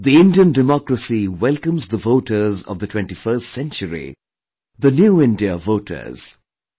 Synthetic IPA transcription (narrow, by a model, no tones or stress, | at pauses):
d̪iɪ̃nɖiə̃nɖɪmɔkɾəsiwɛlkə̃mzd̪əvoːʈəzɔ̰vd̪ətʰw̥ɛ̃nʈifəstsɛ̃nt͡ʃəɾḭ | d̪ənjuːɪ̃nɖiəvoːʈʰə̰z̥